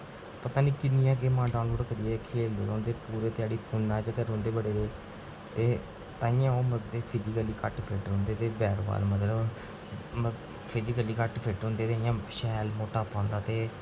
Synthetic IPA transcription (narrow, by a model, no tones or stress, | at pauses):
pət̪ãːniːkɪnɪjãːɡeːmãːɖaːnloːɽɖkəɾiːɛːkʰeːld̪eːlõːnd̪eːpuːɾeːt̪ɪaːɽiːpʰunːaːd͡ʒəɡəɾɦõːnd̪eːbəɽeːd̪eː | t̪eː | t̪ãːɪ̃jãːoːməkd̪eːpʰɪɾiːɡəlːiːkəʈpʰɪʈɦõːnd̪eːt̪eːbɛːɾʋa̰ːlmət̪ləb | pʰɪɾiːɡəlːiːkəʈpʰɪʈɦõːnd̪eːt̪eːɪjãːʃɛːlmoːʈaːpãːnd̪aːt̪eː